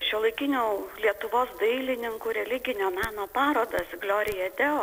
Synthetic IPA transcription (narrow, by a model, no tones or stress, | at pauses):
ʃʲɛlˠɐɪkʲɪnʲuːlʲiɛt̪ʊʋoːsd̪ɐɪlʲɪnʲɪŋkuːɾʲɛlʲɪɡʲɪnʲoːmʲɑːnoːpɑːɾoːd̪ɐsɡlʲoːɾʲɪjɛd̪ʲɛoː